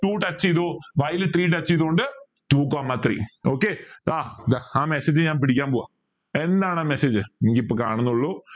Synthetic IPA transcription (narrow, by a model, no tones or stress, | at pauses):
ʈuːʈɐt͡ɕːiiðoːʋɐjlɨt̪riːʈɐt͡ɕːiiðoːɳɖɨ | ʈuːkaːmːɐt̪rḭːoːkːeaːd̪aaːmeseːd͡ʑɨɲaːnpiɽikʲːaːnpoːɣa | e̞nd̪aːɳɨaːmeseːd͡ʑɨenikʲːiipːoːka̰ːɳunːuɭːo